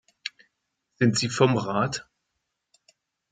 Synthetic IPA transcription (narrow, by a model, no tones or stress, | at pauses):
z̥ɪntz̥iːfɔmʁaːt